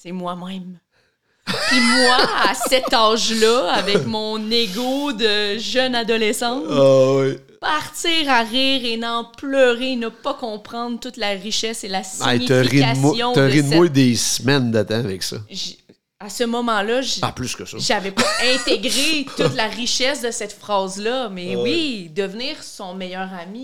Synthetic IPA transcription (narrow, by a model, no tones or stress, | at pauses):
semwamɛ̃m | pimwasɛtt̪ɑʒlʌavɛkmɔ̃neɡod̪əʒœnad̪ɔlɛsɑ̃wi | paʁt̪t͡siːʁaʁiːʁenɑ̃plœːʁenəpʌkɔ̃ːpχɑ̃d̪ʁt̪ʊt̪laʁiʃɛselasaḭɲit̪əʁiamjɔ̃t̪əʁinmɔd̪esmɛnd̪at̪ãavɛksʌ̰ʒ | asəmɔmɑ̃lʌʒaplyskəsɔʒavɛpʌɛ̃t̪eɡʁet̪ʊt̪laʁiʃɛsd̪əsɛt̪fχɑːzlʌmɛwid̪əvniːʁsɔ̃mɛjœːʁami